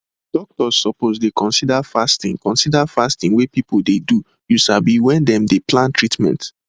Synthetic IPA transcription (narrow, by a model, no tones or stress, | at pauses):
d̥ɔk̚tɔzːɔpozdekɔ̃nsidafastĩŋkɔ̃nsidafastĩŋwepipoldedu | juʃabiwɛ̃ndɛ̃mdeplãntɹitmɛ̰̃nt